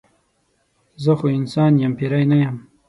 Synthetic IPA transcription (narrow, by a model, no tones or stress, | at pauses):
zəxoɪnsɑːnjampiɾajnajam